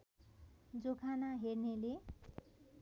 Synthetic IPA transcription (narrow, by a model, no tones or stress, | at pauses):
d͡zokʰanaɦernele